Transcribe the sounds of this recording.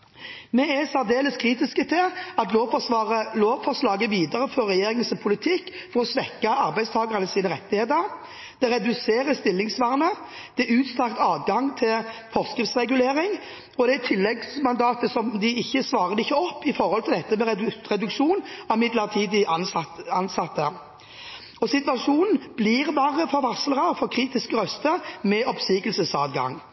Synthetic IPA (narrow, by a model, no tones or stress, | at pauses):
mɛæsæʁd̪eːləskʰɾiːt̪ɪskət̪ʰɪlɑt̪loːʋfɔʁəloːʋfɔʁslɑːɡəʋiːd̪ɑɾəfɔɾːɛjeːɾɪŋənsɔpʰʊlɪt̪ʰɪkːfɔɾɔsʋɛkːɑɑɾbæɪst̪ʰɑːɡəʁənəsiːnəɾɛt̪ːɪheːt̪əɾ | d̪̥ɛɾɛd̪ʉseːʁəst̪ɪlːɪŋsʋæʁnəd̪̥ɛʉːt̪st̪ɑkt̪ɑːʋɡɑŋt̪ʰɪlfɔʁskɾɪft̪sʁɛɡʉleːɾɪŋ | ɔd̪ɛæt̪ʰɪlːɛɡsmɑnd̪ɑːt̪əsɔmd̪ɪɪçːəsʋɑːʁəɾɪçːəɔpːɪfɔɾhɔlt̪ʰɪld̪ɛt̪ːəmɛɾɛʁɛd̪ʉkʂuːnɑmɪd̪ləʁt̪ʰiːd̪ɪɑnɑnsɑt̪ːə | ɔsɪt̪ʋɑʂuːnn̩b̥liːʁbɑːʁəfɔɾʋɑsləʁɑfɔʁkʰʁiːt̪ɪskəɾœst̪əmɛʔɔpsiːkəlsəsɑːʋɡɑ̰ŋ